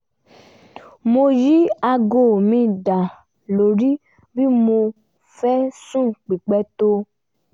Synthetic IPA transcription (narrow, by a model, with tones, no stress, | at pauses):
mo˧ji˦a˧ɡo˨mĩ˧da˨ | lo˨ɾi˦ | bi˦mo˧ | fɛ˦sũ˦˨k͡pi˨k͡pɛ˧˦to˧